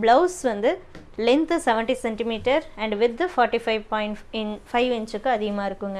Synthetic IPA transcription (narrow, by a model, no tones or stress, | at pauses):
blɐʊsʋɐnd̪ɯ | lɛnt̪sɛʋɛ̃ɳʈisɛɳʈimiːʈɐɾɛ̃ɳɖʋɪd̪ːɐfɔːɾʈifɐɪʋpɔːɪ̃ɳʈɪnfɐɪʋɪ̃nt͡ʃɯkːɯɐðɪɣɐmaːɪɾɯkːɯŋɡɐ